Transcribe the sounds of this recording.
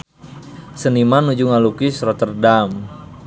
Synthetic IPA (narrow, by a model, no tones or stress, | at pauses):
sənimanud͡ʒuŋalukisrɔt̪ərdam